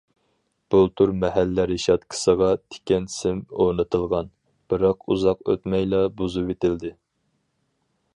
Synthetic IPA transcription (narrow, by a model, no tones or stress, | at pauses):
b̥ulˠt̪ʰuɾmɛhælːæɾiʃɑt̪̚kʲʰə̥səʁɑt̪ʰɪ̥kʲɛnsɪmonɨt̪ʰɨlˠʁɑn | b̥ɨɾɑqṵzɑqø̰t̪mɛjlˠɑbuzupet̪ɪld̪ɪ